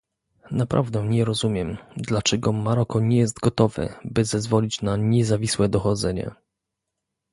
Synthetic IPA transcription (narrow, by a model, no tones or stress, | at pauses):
napɾʔa̰vd̪ɛɲɛɾɔzumʲjɛmd̪lat͡ʂɛɡɔmaɾɔkɔɲɛjɛs̬t̪ɡɔt̪ɔvɘ̰bɘzɛzvɔlʲit͡ɕnaɲɛzavʲiswɛd̪ɔxɔd̪zɛɲɛ̰